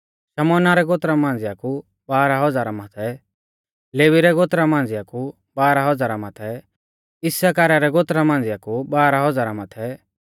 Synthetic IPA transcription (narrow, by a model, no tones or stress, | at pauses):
ʃɐmɔːnaɾɛɡoːt̪ɾamãːn̆d͡zɪjaku | baːɾaɦɔd͡zaːɾamat̪ʰɛ | leːʋiɾɛɡot̪ɾamãːn̆d͡zɪjaku | baːɾaɦɔd͡zaːɾamat̪ʰɛ | ɪsakaːɾaɾɛɡoːt̪ɾamãːn̆d͡zɪjakubaːɾaɦɔd͡zaːɾamat̪ʰɛ